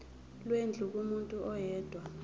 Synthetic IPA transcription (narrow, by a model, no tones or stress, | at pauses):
lwend͡ɮʱuk̬ʼumuntʼuʔɔjɛːd̥ʱwa